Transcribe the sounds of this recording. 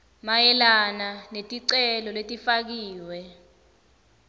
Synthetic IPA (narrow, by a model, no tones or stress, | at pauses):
majɛlananetʼiǀɛlɔletʼifak̬iːwɛ